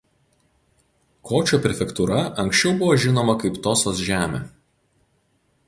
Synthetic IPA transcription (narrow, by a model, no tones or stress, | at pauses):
kʰoːt͡ʃʲuːpʲɾʲɛfʲɛkt̪uɾɐɐŋʲˑksʲt͡ʃʲɛʊbʊʋoːʒʲɪnoːmɐkɐɪpt̪oːsoːsʒʲæːmʲḛː